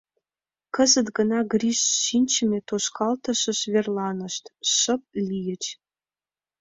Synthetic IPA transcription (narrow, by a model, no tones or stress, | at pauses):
kə̆zə̆t̪ɡə̆nɑɡrʲiʃɕinʲt͡ɕɘ̆mʲet̪oʃkʰɑlt̪ɤ̆ʃə̆ʃvʲerlˠɑnɤ̆ʃt̪ʃə̆p̚lʲijə̆t͡ɕ